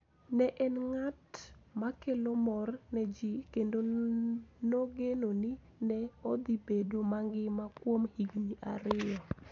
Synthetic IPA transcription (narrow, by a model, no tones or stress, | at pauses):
nɛʔɛnŋatmakelomɔrnɛd͡ʒikendo | noɡenoni | nɛod̪ibedomaŋɡɪmakwomhiɡɲiʔaɾɪɔ